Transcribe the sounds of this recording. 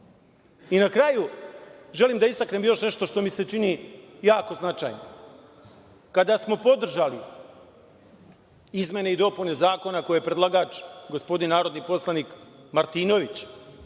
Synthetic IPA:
inakɾajuʒe̞limd̪aist̪akne̞mjo̞ʃne̞ʃt̪o̞ʃt̪o̞mise̞t͡ʃinijaːko̞znat͡ʃa̰jno | kad̪asmo̞po̞d̪r̩ʒali | izmʲje̞ne̞id̪o̞pune̞zaːko̞nako̞jeepɾedlaɡat͡ʃɡo̞spo̞d̪innaːɾo̞d̪nipo̞slˠanikmaɾt̪iːno̞ʋit͡ɕ

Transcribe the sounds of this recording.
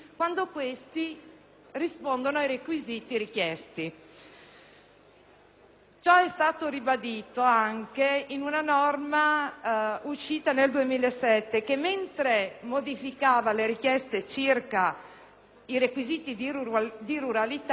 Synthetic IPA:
kwand̪okwest̪i | rispond̪onoajɾekwiziːt̪iɾik̟jɛst̪i | t͡ʃɔɛst̪aːt̪oɾibad̪iːt̪oaŋkeinunanɔrma | uʃiːt̪aneld̪uemiːlaesɛt̪ːekemːent̪ɾemod̪ifikaːvaleɾik̟jɛst̪et͡ʃirka | iɾekwiziːt̪id̪iɾuɾalit̪

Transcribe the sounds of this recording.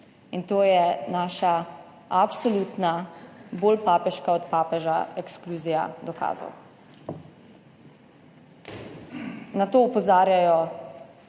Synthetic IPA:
int̪oːjɛnaːʃa | apsɔluːt̪naboːlpaːpɛʃkaɔt̪paːpɛʒa̰ɛkskluːzija̰d̪ɔka̰ːzɔ̰w | nat̪oːɔpɔzaːɾjajɔ

